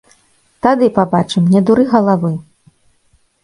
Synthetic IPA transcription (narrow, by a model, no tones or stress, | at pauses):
t̪ad̪ɨpabat͡ʂɨmnʲɛd̪uɾɨɣɐlˠavɨ